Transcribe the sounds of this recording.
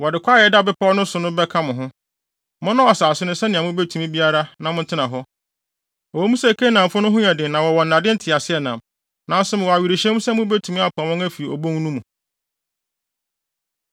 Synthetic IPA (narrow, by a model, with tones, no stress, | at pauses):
wɔ˨dɪ˨kʷaː˦jɛ˦da˦˨bɪ˦pʰɔ˦ɔ˦nʊ̃˦sʊ˨nʊ̃˦bɛ˦kʰa˦mʊ̃˨ɦʊ̃˦ | mɔ̃˦nã˦ɔ˨saː˨sʊ˦nʊ̃˦sɛ˦nɪ̃˨a˨mʊ̃˦be˦tʰu˨mĩ˦bi˦a˦ɾa˦nã˨mʊ̃˦n˦tʰɪ˦nã˨ɦɔ˦ | ɔ˨wɔ˨˦mũ˦sɛ˦˨kʰe˦nã˨m˨fʊ˦nʊ̃˦ɦʊ˦ɲɛ̃˨dɪ˨nã˨wɔ˨wɔ˨n̩˨nã˨dɪ̃˦n̩˦tʰɪ˨a˨sɪ˦ɛ˨nã˨m | nã˨n˦sʊ˦mʊ̃˨wɔ˨a˨ɥi˨ɾi˨ɕɛ̃˦m˦sɛ˦mʊ̃˦bɛ˦tʰũ˨mĩ˦a˦pʰã˨wɔ̃˦ŋæ˦fi˨i˨ɔ̰˨bõ˦ŋ˦nũ˦mũ˨